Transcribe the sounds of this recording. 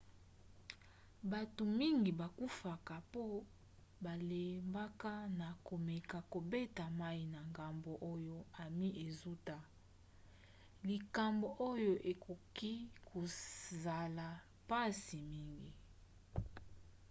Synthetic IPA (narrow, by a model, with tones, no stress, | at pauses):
ba˨to˨mi˦ŋɡi˨ba˨ku˦fa˨ka˨po˦ | ba˨le˨mba˦ka˦na˨ko˨me˨ka˨ko˨be˦ta˨ma˦i˨na˨ŋɡa˨mbo˨ʔo˦jo˦a˨mi˦ʔe˨zu˦ta˦ | li˨ka˨mbo˨ʔo˦jo˦ʔe˨kʰo˨ki˦kʰo˨za˨la˨ | pa˦si˨mi˦ŋɡi˨